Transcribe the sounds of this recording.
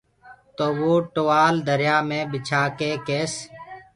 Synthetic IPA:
t̪oːʋoːʈoʋaːld̪əɾjaːmẽːbɪt͡ʃʰaːkeːkeːs

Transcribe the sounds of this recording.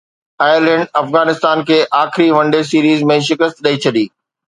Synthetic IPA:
aːjəɾlɛ̃ɳɖɐfɣaːnɪst̪aːnkʰeːʔaːxɪɾiʋɐ̃ɳɖes̬iːɾiːzmẽʃɪkəst̪̚ɗɐit͡ɕʰɐɗiː

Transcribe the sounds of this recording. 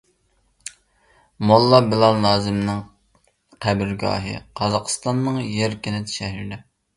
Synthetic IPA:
molˠːɑbɪlˠɑlˠnɑːzɪmnɪŋ | qʰæbɪɾɡɑ̰ːɦɨ̰qʰɑzɑqʰst̪ɑnːɨŋjeɾkʲinɪt̪ʃɛɦiɾd̪ɛ

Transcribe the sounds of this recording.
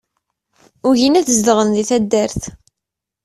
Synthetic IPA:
ʊʝinæθəzd̪əʁənðiθæd̪ːəɾθ

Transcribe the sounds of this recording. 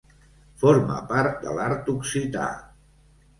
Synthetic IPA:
foɾmə̰paɾt̪̚d̪ə̰laɾt̪uksit̪a̰

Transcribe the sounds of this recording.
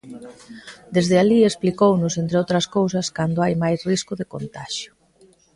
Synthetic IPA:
d̪ezðɪaliesplikownʊsent̪ɾeowt̪ɾɐskowsɐskand̪oajmajsriskʊðekont̪aʃjʊ̥

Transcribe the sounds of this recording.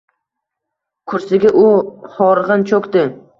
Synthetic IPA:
kʰʊɾsɪɡʲaʔʊχɒɾʁɨnt͡ʃʰokʲd̪ɪ

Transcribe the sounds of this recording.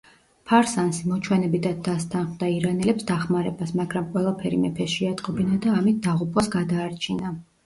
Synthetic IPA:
pʰaɾsansimɔt͡ʃʰwɛnɛbid̪ad̪ast̪ʰanχmd̪aiɾanɛlɛpsd̪aχmaɾɛbasmaɡɾamqʼwɛlˠapʰɛɾḭmɛpʰɛsʃɛat̪ʼqʼɔbinad̪aːmit̪̚ʰd̪aʁupʰʼwasɡad̪aːɾt͡ʃʰina

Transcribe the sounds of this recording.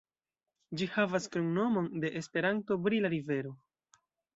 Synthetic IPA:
d͡ʒihavaskɾuŋno̞mo̞nde̞ʔespe̞ɾanto̞bɾilaɾive̞ɾo̞

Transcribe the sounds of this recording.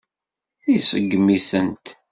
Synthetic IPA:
isəɡːmiθənt̪

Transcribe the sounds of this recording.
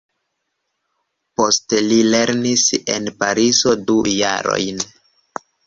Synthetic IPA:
po̞stelile̞ɾnise̞̰npaɾizo̞duja̰ɾo̞̰jn

